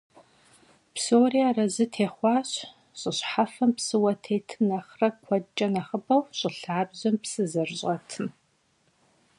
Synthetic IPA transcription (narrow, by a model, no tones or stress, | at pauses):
psoːriarɐzɨtʰeːχʷɑːɕ | ɕʼɪɕħafɐmpsɨwɐtʰeːtʰɨmnɐχrɐkʷʰɔt͡ʃʼɐnɐχəbɐwɕʼɪɬaːbʑɐmpsɨzɐrʑʼɐtʰɨm